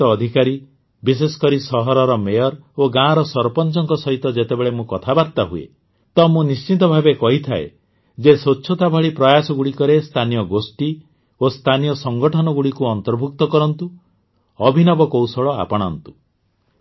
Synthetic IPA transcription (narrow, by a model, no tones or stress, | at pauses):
ɔːd̪ʱikaɾi | bis̬esɔ̥kɔɾisɔɦɔɾɔɾɔmejɔɾoɡãɾɔsɔɾpɔnt͡ʃɔŋkɔsɔɦit̪ɔd͡ʒet̪ebeɭemũkɔt̪ʰabaɾt̪aɦuḛ | t̪ɔmũnist͡ʃit̪̬ɔbʱabekɔɦit̪ʰaḛ | d͡ʒesoːt͡ʃʰɔt̪abʱɔɭipɾɔjasɔɡuɽikɔɾest̪ʰanijɔɡosʈi | ost̪ʰanijɔsɔŋɡɔʈʰɔnɔɡuɽikuɔnt̪ɔɾbʱuk̚t̪ɔkɔɾɔnt̪u | ɔbʱinɔbɔkowsɔɭɔa̰pɔɽ̃ant̪u̥